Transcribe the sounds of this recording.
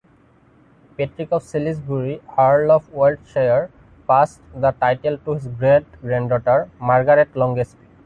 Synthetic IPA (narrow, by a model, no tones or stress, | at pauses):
peʈɹikɔfsilisbuɹihaɹlɔfwelɖʃeəɹ | pasʈd̪əʈajʈelʈuɦizɡɹeʈɡɹɛnɖɖɔʈəɹmaɹɡaɹetlɔ̃ŋɡespi